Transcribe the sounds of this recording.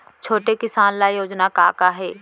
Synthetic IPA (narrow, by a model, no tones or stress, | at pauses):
t͡ʃʰoːʈekɪsaːnlajoːd͡ʒnakaːkaɦɛː